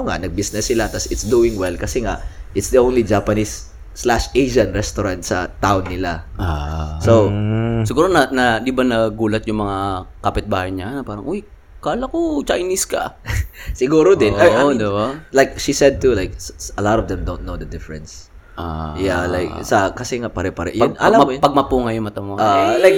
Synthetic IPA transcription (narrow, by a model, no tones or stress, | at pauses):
oŋa̰ʔnɐɡ̚bisnɛsːɪlat̪ɐsɪt̪sd̪uːɪ̃ŋwɛlkɐsɛŋaʔʔɪt̪sd̪iʔõwnlid͡ʒapɐnisː | laʃejʃɐ̃nɹɛst̪oɾãnt̪sɐ̰t̪aʊnːɪla | sowsɪɡuːɾonɐnɐnd̪ibanɐɡuːlɐt̪̚jʊŋmɐŋakɐpɪt̪̚baːhɐɲanɐpaːɾɐŋʔoj | kaːlɐkot͡ʃajniskɐ̰ | sɪɡuːɾod̪ɪnood̪ɪbalajkʃisɛd̪̚t̪ulajksɐlɔt̪ɔvd̪ɛmd̪on̚nowd̪ɐd̪ɪfɛɹɛ̃ns | ʔajalajksɐkɐsɛŋapɐɾɛpɐɾɛ̰ʔjnɐamɐmpɐɡ̚mɐpuŋɐjʊmɐt̪ɐmoalajk̚